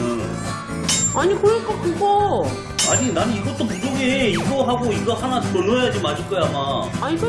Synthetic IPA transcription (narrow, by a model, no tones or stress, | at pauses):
ɯ | aɲikoɾʌk͈ʌkuɡo | aɲinanɯiɡʌt͈opud͡ʑoɡeiɡʌɦaɡoiɡʌhanaɾonojad͡ʑimaɕʰiɭk͈ʌjaːmaaiɡ